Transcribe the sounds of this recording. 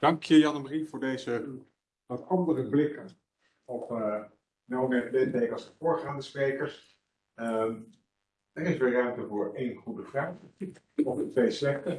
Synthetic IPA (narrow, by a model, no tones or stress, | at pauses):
d̥ɑŋkjəjɑnəmrivʊːɹdejzə | ʋɑtɑndərəblɪkən | ɔpə | nowmɪːdɪtejkɑlˠsdəvʊːɹχaːndəsprejkəɹs | əm | dərɪsʋɪrœɥmtəvʊːɹejnχudəvraːχ | ɔmdətʋejslɛkə